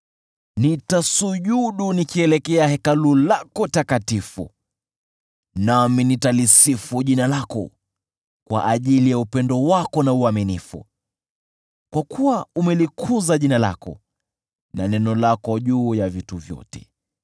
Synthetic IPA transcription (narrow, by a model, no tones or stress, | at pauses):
nitasuʄuɗunikiɛlɛkɛahɛkalulakɔtakatifṵ | naminitalisifuʄinalakɔ̰ | kwa̰ʔaʄilijaupɛndɔwakɔnauaminifṵ | kwakuwaumɛlikʰuzaʄinala̰kɔ̰ | nanɛnɔlakɔʄuːjavituvjɔ̰tɛ̥